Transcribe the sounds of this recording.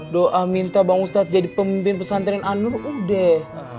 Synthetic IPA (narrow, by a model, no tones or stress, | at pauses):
doʔamint̪abaŋust̪at̪̚d͡ʒadipəmimpɪnpəsant̪ɾananʊrudɛh